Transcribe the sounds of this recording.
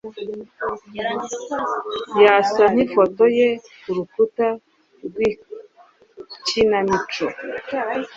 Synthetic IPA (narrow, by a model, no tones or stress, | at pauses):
jasan̥ifotoje | kuɾukuta | ɾɡwi | cinamit͡ʃo